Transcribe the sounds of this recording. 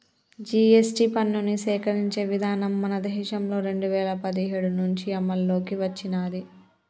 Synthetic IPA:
d͡ʒiːesʈipɐnːunisɛːkɐɾiɲt͡ʃe̞ːʋid̪ʱaːnɐmːɐnɐd̪ɐɦiʃɐmlo̞ːɾe̞ɳɖuʋɛːlɐpɐd̪iɦeːɽunuɲt͡ʃiɐmːɐlːo̞ːkiʋɐt͡ʃːinaːd̪i

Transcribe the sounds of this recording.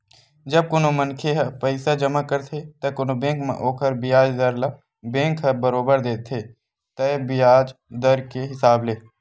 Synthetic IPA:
d͡ʒəb̚kʊnomənkʰeɦpəɪsad͡ʒəmakəɾt̪ʰet̪ɐkʊnobẽːkmã̰ʔoːkəɾbɪjaːd͡ʒd̪əɾla | bẽːŋkʰəbəɾoːbəɾd̪eːt̪ʰeː | t̪əbɪjaːd͡ʒd̪əɾkeɦɪsaːbleː

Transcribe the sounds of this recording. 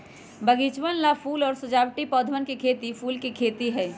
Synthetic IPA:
bəɡit͡ʃʋənlapʰuːlɔːɾsəd͡ʒaːʋʈipɔːd̪ʱʋənkekʰeːt̪ipʰuːlkekʰeːt̪iɦɛː

